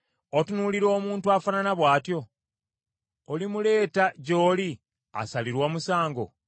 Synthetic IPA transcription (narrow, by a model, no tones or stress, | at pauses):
otunuliɾo̞ːmuːntuafananaβwaːtjo̞ | limule̞ːtaɟo̞ːli | a̰saliɾwaːmusaːŋɡo̞̰